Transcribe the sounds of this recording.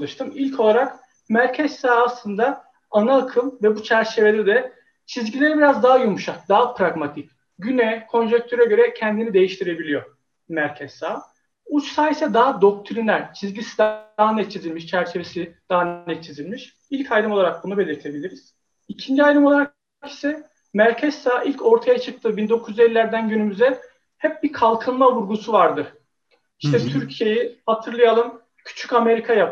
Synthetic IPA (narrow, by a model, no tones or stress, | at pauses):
ɯʃt̪ʰɯmilʲcʰo̞lˠaɾak | mæɾcʰɛsːaːslˠɯnd̪a | anaːkʰɯmvɛbut͡ʃʰæɾt͡ʃʰe̞ve̞lʲɛɾd̪ɛ | t͡ʃʰizɟilʲeɛbiɾazd̪aɦajumʃak̚d̪aɦapʰɾaɡmat̪ʰic | ɟynɛkʰo̞nʒɛc̚t̪ʰøɾɛɟø̞ɾɛcʰɛnd̪inid̪e̞jiʃt̪ʰiɾe̞bilʲijo̞ | mæɾcʰɛsːaː | ut͡ʃsaːjesɛd̪aɦad̪o̞k̚t̪ʰuɾinlʲæɾt͡ʃʰizɟisi̥d̪aɦanɛt̪̚t͡ʃʰizilʲmiʃt͡ʃʰæɾt͡ʃʰe̞vesid̪̥aɦannɛt̪̚t͡ʃʰizilʲmiʃ | ilʲcʰajɾɯmolˠaɾak̚bunube̞lʲiɾt̪ʰe̞bilʲiɾiz̥ | icʰind͡ʒiajɾɯmo̞lˠaɾak̚ | cʰi̥sɛ | mæɾcʰɛsaːʔilʲcʰo̞ɾt̪ʰajat͡ʃʰɯk̚t̪ʰɯːbind̪o̞kʰuzelʲːiːæɾd̪ænɟynymyzɛ | hɛp̚bikʰalˠkʰɯnmavuɾɡusuvaɾd̪ɯɾ̥ | iʃʃt̪ʰɛt̪ʰyɾcʰije̞jihat̪ʰɯɾlˠajalˠɯm | cʰy̥t͡ʃʰy̥came̞ɾikʰajapʰ